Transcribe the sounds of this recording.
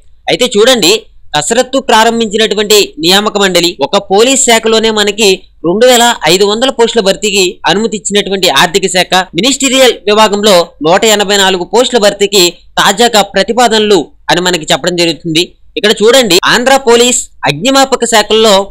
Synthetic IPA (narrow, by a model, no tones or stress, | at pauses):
ɐjt̪e̞ːt͡ʃuːɽɐɳɖikɐsɐɾɐt̪ːupɾaːɾɐmbʱiɲt͡ʃinɐʈuʋɐɳʈinijaːmɐkɐmɐɳɖɐliɔkɐpoːliːsːɛːkɐlo̞ːne̞ːmɐnɐkiɾe̞ɳɖuʋɛːlɐʔɐjd̪uʋɐnd̪ɐlɐpoːsʈlɐbʱɐɾt̪ikiɐnumɐt̪iɲt͡ʃːinɐʈuʋɐɳʈiaːɾt̪ʰikɐsɛːkʰɐminisʈiːɾijɐlʋibaːɡɐmlo̞ːnɔːʈɐɛnɐbʱɐjnaːluɡupoːsʂʈlɐbʱɐɾt̪ikit̪aːd͡ʒaːɡaːpɾɐt̪ipaːd̪ɐnɐlu | ɐnimɐnɐk̬it͡ʃɛpːɐɽɐmd͡ʒɐɾuɡut̪und̪i | ikːɐɽɐt͡ʃuːɽɐɳɖia̰ːnd̪ɾaːpo̞ːliːsɐɡ̚ɲɐmaːpɐkɐsɛːkɐlːo̞ː